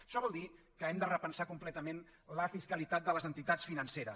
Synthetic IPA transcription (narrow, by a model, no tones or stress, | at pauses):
ʃɔβɔlˠd̪i | kəɛmd̪ərəpənsakumplɛt̪əmenləfiskəlit̪at̪̚d̪ələzənt̪it̪att͡sfinənseɾəs